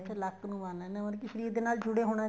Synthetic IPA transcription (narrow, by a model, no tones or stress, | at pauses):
pʰɪləkːnũːʋaːneːnẽənkiʃəɾiːɾd̪eːnaːld͡ʒʊɽeːɦoːɽ̃a